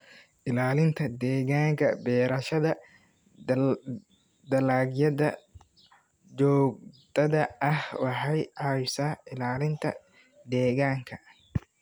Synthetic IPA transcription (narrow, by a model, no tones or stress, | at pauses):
ʔɪlaːlɪnt̪ʰɐd̪ɛːɣaːŋkʰɐ̰bɛːɾɐʃɐðɐ | d̪ɐlaːɡjɐðɐ | d͡ʒɔːɡ̚d̪̥ɐðɐɐhwɑħɑjʕɑjsaːʔɪlaːlɪnt̪ʰɐ̰ | d̪ɛːɣaːŋkʰɐ